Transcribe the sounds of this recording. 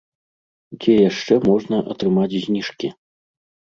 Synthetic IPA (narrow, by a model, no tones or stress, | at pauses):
d͡zʲɛjaʂt͡ʂɛmɔʐnɐʔɐ̰t̪ɾɨmat͡sʲzʲnʲiʂkʲi